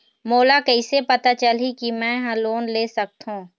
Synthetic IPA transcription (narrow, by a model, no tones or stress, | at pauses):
moːlakɛɪsepɐt̪at͡ʃəlikimɛ̃ːɦɐ̃loːnleːsɐk̚t̪ɦũː